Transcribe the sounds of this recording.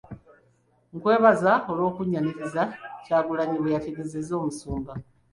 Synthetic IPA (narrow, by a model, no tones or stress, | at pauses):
ŋkwe̞ːβazao̞lo̞ːkuɲːaniɾizacaːɡulaɲiβejateɡezezo̞ːmusuːmba